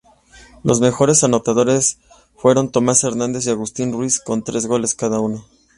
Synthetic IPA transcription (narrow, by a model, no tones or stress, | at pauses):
lʔo̞zme̞xo̞ɾe̞sano̞t̪aðo̞ɾe̞s | fwe̞ɾo̞nt̪o̞mase̞ɾnãnd̪e̞s̬iaɣust̪inrwisko̞nt̪ɾe̞zɣo̞le̞skaðauno̞